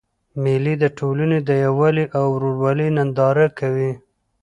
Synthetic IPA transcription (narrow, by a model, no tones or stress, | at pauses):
melid̪əʈʰolaned̪əjawaliʔawɾoɾwɑlinand̪ɑɾakawi